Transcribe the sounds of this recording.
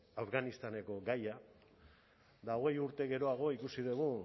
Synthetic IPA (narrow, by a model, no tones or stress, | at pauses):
afɣanist̪ane̞ko̞ɡaja | d̪aoɣe̞juɾt̪e̞ɣe̞ɾo̞aɣ̞o̞ikusiðuɣ̞u